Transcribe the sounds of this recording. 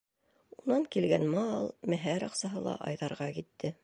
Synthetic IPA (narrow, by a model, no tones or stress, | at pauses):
unɑŋkilɡænmɑlˠmæɦæɾɑqsɑɦɤlˠɑ̰ʔɑ̰jðɑɾʁɑkit̪ːɘ